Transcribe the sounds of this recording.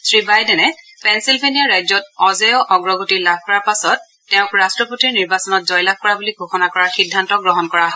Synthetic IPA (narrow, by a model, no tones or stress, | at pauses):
sɹibajdɛnɛ | pɛnsilbʱenijaɹajzɔtɔzɛjɔʔɔɡɹɔɡotilab̚ʱkɔɹaɹpasɔtː | ɛʊ̃kɹastɹɔputiɹniɹbasɔnɔtzɔjlab̚kɔɹabuliɡʱoxɔnakɔɹaɹxidʱːantɔɡɹɔɦɔnkɔɹaɦɔ